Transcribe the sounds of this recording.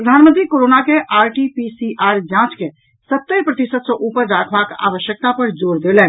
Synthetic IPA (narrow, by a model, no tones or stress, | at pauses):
pɾəd̪ʱanmənt̪ʰikoɾonakeʔaɾʈipisiʔaɾd͡ʒãt͡ʃke | sət̪ːəɾpɾət̪isət̪sə̃ʔupəɾɾakʰbaka̰ʋəʃjək̚t̪apəɾd͡ʒoɾd̪elɛn